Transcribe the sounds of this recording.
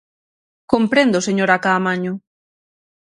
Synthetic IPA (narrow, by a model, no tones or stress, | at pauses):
kompɾend̪oseɲoɾakaːmaɲo